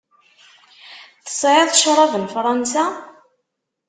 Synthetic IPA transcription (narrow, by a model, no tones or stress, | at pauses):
θə̥sˤʕeðˤʃɾˤɑvənfɾˤɑnsa